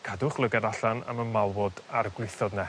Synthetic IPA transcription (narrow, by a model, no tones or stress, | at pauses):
kʰadʊχlˠəɡaɾaɬana̰mənmalˠwɔdarɡlˠɪθɔdnɛ